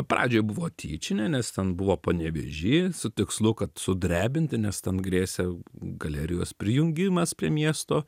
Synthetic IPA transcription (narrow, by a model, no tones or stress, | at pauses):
pɾɑːd͡ʒʲoːjbʊʋoːt̪ʲʰḭːt͡ʃʲɪnʲɛnʲɛst̪ʲɛnbʊʋoːpoːnʲɛʋʲḛʒʲiːsʊt̪ʲɪkslˠʊkɐt̪sʊd̪ʲɾʲæːbʲɪnʲt̪ʲɪnʲɛst̪ʲɛnɡɾʲeːsʲɛɡɐlʲæːɾʲɪjoːspʲɾʲɪjʊŋʲɡʲɪmɐspʲɾʲiɛmʲiɛst̪oː